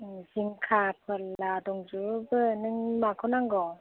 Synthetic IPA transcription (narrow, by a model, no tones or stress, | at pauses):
ziŋkʰapʰɯladɔŋd͡ʒubɯnɯŋmakʰɯwnaŋɡɔ